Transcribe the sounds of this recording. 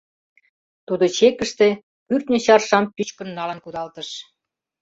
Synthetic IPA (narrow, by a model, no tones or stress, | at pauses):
t̪ud̪ot͡ɕekə̆ʃt̪e | pyrt̪nʲə̆ɕɑrʃɑmpyt͡ɕkə̆nːɑlə̆nkud̪ɑlt̪əʃ